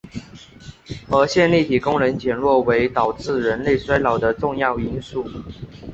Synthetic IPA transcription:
ə˧˥ɕjɛ˥˧nli˥˩t̪ʰi˨˩kʊ˥ŋɻə˧˥nt͡ɕjɛ˨˩nɻwɔ˥˩we˧˥ɪt̪ɑ˨˩ʊʈ͡ʂɹ̩˥˩ɻə˧˥nle˥˩ɪswa˥ɪlɑ˨˩ʊd̪ə˦ʈ͡ʂʊ˥˧ŋjɑ˥˩ʊi˧˥nsu˥˩

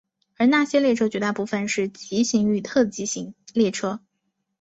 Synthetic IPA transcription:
ə˞˧˥na˥˩ɕjɛ˥ljɛ˥˩ʈ͡ʂʰɤ˥t͡ɕy˧˥t̪a˥˩pu˥˩fə˨nʂɻ̩˥˩t͡ɕi˧˥ɕi˧˥ŋy˥˩t̪ʰɤ˥˩t͡ɕi˧˥ɕi˧˥ŋljɛ˥˩ʈ͡ʂʰɤ˥

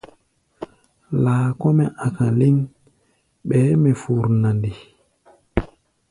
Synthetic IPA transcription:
laː˨kɔ˦mɛ˨ʔa˨ka˨li˦n | ɓɛː˨˦mɛ˨fu˨ɾna˨ndi˨

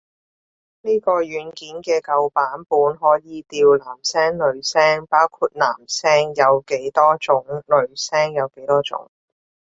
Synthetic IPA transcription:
niː˥kɔː˧jyː˨˧nkiː˨˥nkɛː˧kɐ˨˧wpaː˨˥npuː˨˥nɦɔː˨˥jiː˨˧t̪iː˧wlaː˨˩msɛː˥ŋlɵ˨ɥsɛː˥ŋpaː˥wkʰuː˧t̚na̰ː˨˩msɛː˥ŋjɐ˨˧wke˨˥jt̪ɔː˥t͡sʊ˨˥ŋlɵ˨˧ɥsɛː˥ŋjɐ˨˧wke˨˥jt̪ɔː˥t͡sʊ̰˨˥ŋ

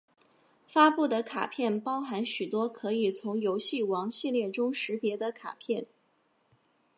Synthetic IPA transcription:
fa˥pu˥˩d̪ə˩kʰa̰˨˩pʰjɛ˥˩npɑ˥ʊxa˧˥nɕy˨˩t̪wɔ˥kʰɤ˧˥i˨˩t͡sʰʊ˧˥ŋjo˧˥ʊɕi˥˩wɑ˧˥ŋɕi˥˧ljɛ˥˩ʈ͡ʂʊ˥ŋʂɻ̩˧˥pjɛ˧˥d̪ə˧kʰa̰˨˩pʰjɛ˥˩n

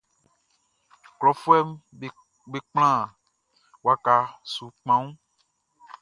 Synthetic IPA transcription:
klɔ˨fu˦ɛ˦m˦ | be˨k͡pl̃ã˦˨ | wa˨ka˨su˨k͡pã˦ŋũ˦

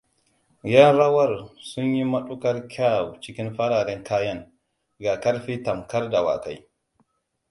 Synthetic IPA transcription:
jɐ˦nɾɐ˦wɐ˦˨rsʊ˦ɲji˦mɐ˦ɗu˦kɐ˦rkʲʰa˦˨wt͡ʃɪ˦kʲɪ˦nɸɐ˦ɽaː˨ɽɛ˦ŋkaː˦jɐ˦ŋ | ɡa˨kɐ˦ɽɸiː˦tɐ˨mkɐ˦rda˨wa̰˨ka˨˦j

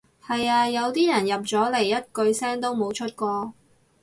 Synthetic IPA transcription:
hɐ˨jaː˧jɐ˨˧wt̪iː˥jɐ˨˩njɐ˨p̚t͡sɔː˨˥le˨˩jːɐ˥t̚kɵ˧ɥsɛː˥ŋt̪o˥wmo˨˧wt͡ʃʰɵ˥t̚kʷɔː˧

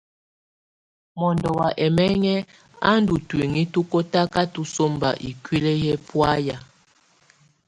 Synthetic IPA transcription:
mɔ˨ndɔ˨wa˨ʔɛ˨mɛ˦ŋɛ˦ | a̰˦n˦du˨twi˨ŋi˦tu˦ko˦ta˦ka˦tu˦so˦mba̰˨ʔḭ˨kwi˦le˦jɛ˦pwa˦ja˨

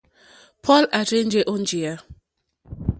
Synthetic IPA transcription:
pʰɔ˦la˨ɾẽ˦nd͡ʒe˨˦ʔo˦n˦d͡ʒi˨a˦

